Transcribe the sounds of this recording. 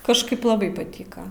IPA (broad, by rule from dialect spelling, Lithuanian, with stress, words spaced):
kɐʃˈkɐɪp lˠɐˈbɐɪ pɐˈtʲiːkɐ